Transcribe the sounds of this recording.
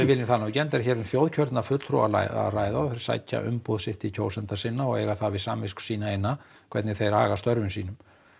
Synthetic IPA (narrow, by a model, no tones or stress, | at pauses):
ɪvɪlɪθanaːwcɛnt̪ɛɾ̥çɛːɾʏmθjowðcʰœɾt̪nafʏt̪lt̪ʰɾṵa̰la̰a̰raːjðaɔθeɾɪ̥sa̰jcːa̰ʔʏ̰mpɔðsɪht̪ɪcʰoːwsɛnt̪asɪnːaɔɣḛːjɣaθavɪðsaːmvɪsksiːnaejnːa | kʰvɛɾt̪nɪθejɾa̰ːɣast̪œɾvʏmsiːnʏm